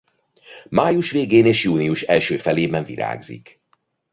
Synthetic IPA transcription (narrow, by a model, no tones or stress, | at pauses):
maːjuʃʋeːɡeːneːʃjuːniuʃɛlʃøːfɛleːbɛɱvḭɾa̰ːɡzḭk